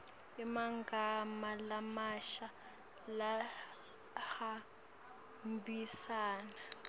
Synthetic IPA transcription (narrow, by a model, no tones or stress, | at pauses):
imaŋɡamalamaʃa | la | ha | mbisaːna